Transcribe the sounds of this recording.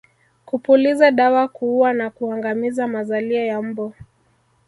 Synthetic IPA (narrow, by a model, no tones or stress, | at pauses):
kupulizaɗawakuuwanakuaŋɡamizamazaliajam̩bɔ